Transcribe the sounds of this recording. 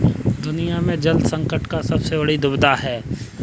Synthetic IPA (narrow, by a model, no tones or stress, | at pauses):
d̪ʊnijamẽd͡ʒɐld̪sɐ̃ŋkəʈkasɐbsebɐɽid̪ʊbd̪aɦɛː